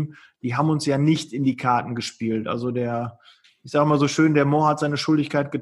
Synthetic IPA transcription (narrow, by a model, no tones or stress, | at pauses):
d̥iːɦaːbm̩ʊnsjaːnɪçtɪndiːkʰaɐtn̩ɡəʃpiːltʔa̰lzodeːɐ | ɪçz̥aːɡɪmaːlzoːʃøːndeːɐmɔːɐhatz̥aɪnəʃʊldɪçkaɪt̚ɡ̥ət